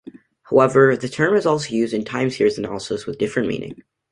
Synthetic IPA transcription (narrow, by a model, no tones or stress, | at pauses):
haʊɛvə˞ðɨtʰɜ̃˞mɨzɔlˠsoʊjʉzdɨ̃ntʰãɪ̃mz̥hɪɹzɨnæ̰lˠəsəswəðdɪfɹɨ̃nmḭ̃nɪ̰̃ŋ